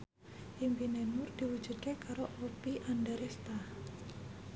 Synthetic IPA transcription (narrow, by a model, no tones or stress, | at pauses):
ʔimbinɛnʊrd̪̥iwu̥d͡ʒ̥ṳd̪̚kekaɾoʔopiʔandaɾest̪a